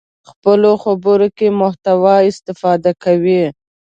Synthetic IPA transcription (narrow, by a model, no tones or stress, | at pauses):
xpəloxabəɾokemʊht̪awɑɪst̪ɪfɑd̪akawi